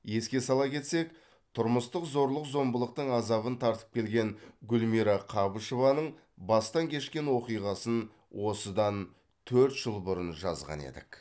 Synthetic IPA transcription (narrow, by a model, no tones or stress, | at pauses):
je̞skʲe̞sɑlˠɑkʲʰe̞t̪se̞k | t̪ʰʊɾməst̪əqzo̞ɾlˠəqzo̞mbəlˠəq̚t̪əɴɑzɑβənt̪ʰɑɾt̪ə̥p̚kʲʰe̞lɡʲe̞ŋɡʲʊlmiɾɑqʰɑbəʃovɑnəɴ | bɑst̪ɑŋkʲʰe̞ʃkʲe̞nwo̞qijʁɑsən | wʔo̞səd̪ɑn | t̪ʰɵɾt̪ʒ̥əlˠbʊɾənʒɑ̰zʁɑ̰nḛd̪ɪ̰k